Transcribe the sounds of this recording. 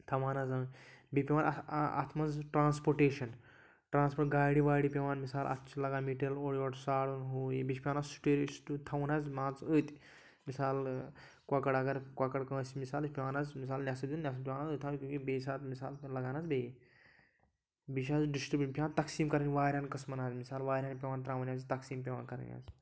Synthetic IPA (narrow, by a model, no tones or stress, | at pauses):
t̪ʰɐmaːnazɐːbʲepʲeʋaːna̰t̪ʰmɐnzʈɾaːnspoɾʈeːʃɐn | ʈɾãːnspoʈɡaːɽiʋaːɽipʲeʋaːnmisaːlʔɐ̰t̪ʰːt͡ʃʰilɐɡaːmiʈɐloːɽiʋɐʈsaːɽunɦuːjebit͡ʃpʲeʋaːnassu̥ʈeːɾst̪ut̪ʰɐwnazmãːt͡səːt̪ʲ | misaːl | kwakɐɽɐɡɐɾkwakɐɽkə̃ːsmisaːlɨt͡ʃʲpʲeʋaːnaːzmis̬aːlnʲaːsɐd̪unnʲaːs̬ɐpʲewaːnaːzɨːt̪ʰaːkʲũːkibeːs̬aːt̪misaːllɐɡaːnaːzbeː | biʃ̬aːzɖisʈɾɨbipʲeaːnt̪ɐksiːmkɐɾɨnʲʋaːɾʲaːnkɐsmɐnaːzʲmisaːlʋaːɾʲaːnpʲeʋaːnt̪ɾaːʋɐnʲjaːzit̪ɐksiːmp̬ʲeʋaːnkɐɾ̰nʲja̰ːz